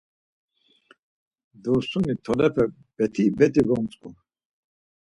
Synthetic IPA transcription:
d̪ɔsunit̪ʰɔlɛpʰɛ | b̥ɛt̪ʰibɛt̪ʼiɡɔmt͡sʼkʼu

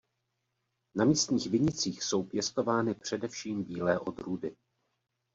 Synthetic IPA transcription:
namiːst̪ɲiːxvɪɲɪt͡siːxso̞wpjɛst̪o̞vaːnɪpr̝̥ɛdɛfʃiːmbiːlɛːʔo̞d̪ɾuːdɪ

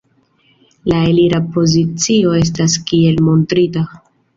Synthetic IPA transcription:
laeliɾapo̞zit͡sio̞e̞s̬taskie̞lmo̞ntɾita

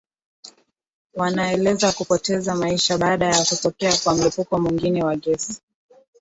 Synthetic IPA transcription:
wanaɛlɛzakupɔtɛzamaiʃaɓaɗajakutɔkɛakwam̩lipukɔmwiŋɡinɛwaɠɛsi̥

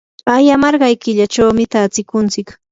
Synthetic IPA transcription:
ajamɑɾɢɑjkɪʎat͡ʃawmɪt̪aːt͡sɪkʊnt͡sɪk

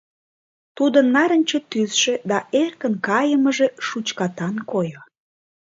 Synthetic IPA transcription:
t̪ud̪ənːɑɾə̆nʲt͡ɕet̪yzʃĕd̪ɑʔerkənkɑjəməʒeʃut͡ɕkɑt̪ɑnkojo

